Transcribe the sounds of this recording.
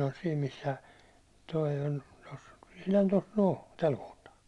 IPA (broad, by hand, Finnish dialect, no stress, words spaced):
on siːm misːæ toi ol tos ihlɑn tos noː tæl kohtɑː